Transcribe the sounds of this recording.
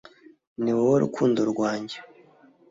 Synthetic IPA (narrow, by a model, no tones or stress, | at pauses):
niwwoɾṵkʰuːndoɾɡwaːɲɟe